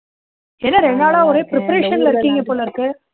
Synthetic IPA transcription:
ɛðɐɾɛɳɖaːlaːɔɾeːpɾɪpɐɾeːʂɐnlɐɪɾɪɯkːiːŋɡɐpoːlɐɪɾɯkːɯ

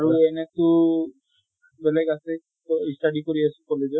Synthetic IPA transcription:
aɹuɛnɛtʊ | bɛlɛɡasɛ | isʈaɖikoɹiasukɔled͡ʒɔ

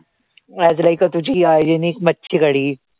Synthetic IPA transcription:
ɛd͡zlajkət̪ud͡ʑʱiajd͡ʑeniːkmətːɕʰikəɽiː

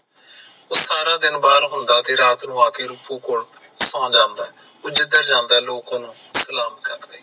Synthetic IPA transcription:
ʊsːaːɾãːd̪ɪnbaːlɦʊ̃nd̪aːt̪eːɾaːt̪nũːaːkeːɾʊpõːkoːɽ | sãːd͡ʒãːnd̪aː | ʊd͡ʒɪd̪əɾd͡ʒãːnd̪aːloːkãːnũːsəlaːmkəɾd̪eː

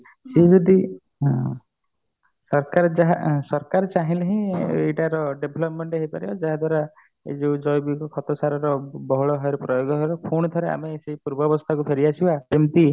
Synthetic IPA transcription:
sed͡ʒɔd̪i | sɔɾkaɾɔd͡ʒaɦasɔɾkaɾɔt͡ʃaɦĩleɦĩeʈaɾɔɖebʱlɔpmeɳʈeɦipaɾiad͡ʒaɦad̪waɾa | ḛd͡ʒed͡ʒɔjbikɔkʰɔt̪ɔsaɾɔɾɔbɔɦɔɭɔɦɔjɾɔpɾɔjoɡɔɦɔjɾɔkʰuɽ̃ɔt̪ʰɔɾea̰meseipuɾbɔbɔst̪ʰakupʰeɾiasʰibaemt̪i

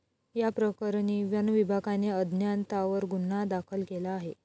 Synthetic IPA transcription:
japɾəkəɾɳiʋjənʋibʱaɡaneəd̪ʱnjant̪aʋəɾɡunːad̪akʰəlkelaːɦe

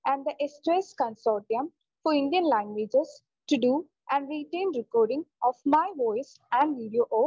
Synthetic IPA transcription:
æ̃ɳɖd̪əʔesʈɾeskə̃nsɔːɾʈiə̃m | fɔɪ̃ɳɖijə̃nlæ̃ŋɡʋeːd͡ʒez | ʈuɖuː | ʔɛ̃ɳɖɾiʈẽːnɾɪkɔːɾɖɪ̃ŋɔːfmaɪʋɔɪs | æ̃ɳɖʋiːɖioʔoː

